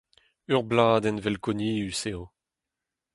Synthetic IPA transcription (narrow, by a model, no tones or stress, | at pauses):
œʁblaːd̪ɛnvɛlkɔniːyseo